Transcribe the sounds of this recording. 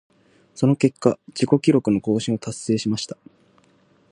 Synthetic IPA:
so̞no̞ke̞kːad͡ʑiko̞kʲiɾo̞kɯ̟no̞ko̞ːɕĩɰ̃o̞t̪asːe̞ːɕimaɕi̥t̪ḁ

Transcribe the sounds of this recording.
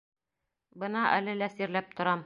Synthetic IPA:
bɤ̆nɑʔæ̰lɘlæsiɾlæp̚t̪ŏɾɑm

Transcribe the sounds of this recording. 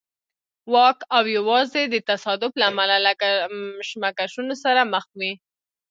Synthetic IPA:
wɑkawjawɑzed̪ət̪asɑd̪ʊflaːmalalakaʃmakaʃunosaɾaməxwi

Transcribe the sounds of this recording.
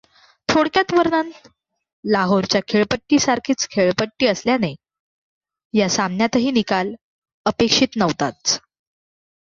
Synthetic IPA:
t̪ʰoɽkjat̪ʋəɾnan | laɦoɾt͡ɕjakʰeɭpəʈːiːsaɾkʰiːt͡skʰeɭpəʈːiːəsljane | jasamnjat̪ɦiːnikal | əpekʂiːt̪nəʋt̪at̪

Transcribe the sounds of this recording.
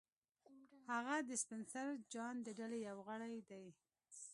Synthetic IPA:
haɣad̪əspɪnsaɾd͡ʒɑnd̪əɖalejawɣəɽajd̪aj

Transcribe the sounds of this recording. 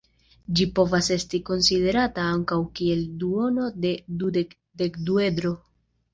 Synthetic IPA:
d͡ʒipo̞vase̞stiko̞nside̞ɾataaŋkawkie̞lduo̞no̞de̞dude | de̞kdue̞dɾo̞

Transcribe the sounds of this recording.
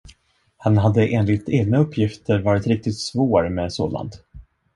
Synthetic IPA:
hanɦad̪ːəʔeːnlɪt̪eːɡ̚naɵpʰːjɪft̪əɾvɑːɾɪt̪ɾɪk̚t̪ɪt̪svoːɾmɛso̰ːla̰nd̪

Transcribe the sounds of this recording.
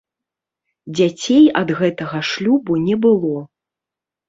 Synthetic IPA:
d͡zʲat͡sʲejɐd̪ɣɛt̪ɐɣɐʂlʲubunʲɛbɨlˠɔ

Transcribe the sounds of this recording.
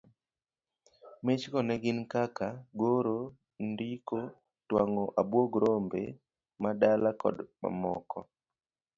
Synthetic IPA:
met͡ʃkɔnɛɡɪnkakaɡoɾo | ndiko | twaŋoʔabwoɡɾombḛ | madalakɔ̰dma̰mɔkɔ

